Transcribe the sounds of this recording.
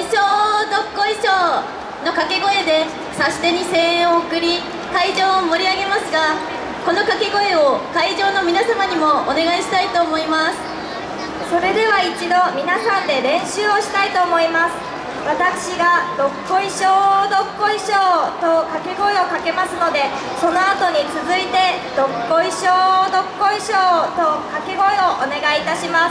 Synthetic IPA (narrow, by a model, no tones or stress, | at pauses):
ɕoːd̪o̞kːo̞iɕoː | no̞kake̞ɡo̞e̞d̪e̞ | sasi̥t̪eɲ̟isẽ̞okɯ̟ɾʲi | kaiʑo̞ːomo̞ɾʲiaɡe̞masɨɡa | ko̞no̞kake̞ɡo̞e̞okaiʑo̞ːno̞mʲinasamaɲ̟imo̞ːne̞ɡaiɕi̥t̪ait̪oːmo̞imasɨ̥ | so̞ɾe̞d̪e̞βait͡ɕid̪o̞mʲinasãnd̪e̞ɾẽ̞ɰ̃ɕɨːo̞ɕi̥t̪ait̪o̞ːmo̞imasɨ̥ | βat̪akɯ̟̥ɕiɡad̪̥o̞kːo̞iɕoːd̪o̞kːo̞iɕoːt̪okakeɡo̞eo̞kake̞masɨno̞d̪e̞ | so̞no̞at̪o̞ɲ̟it͡sɨzɨit̪e̞d̪̥o̞kːo̞iɕoːd̪o̞kːo̞iɕoːt̪o̞kakeɡo̞eo̞ʔone̞ɡaiːt̪aɕimas